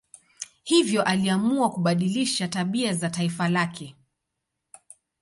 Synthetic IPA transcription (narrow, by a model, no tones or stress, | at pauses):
hivjɔʔaliamuakuɓaɗiliʃataɓiazataifalakʰɛ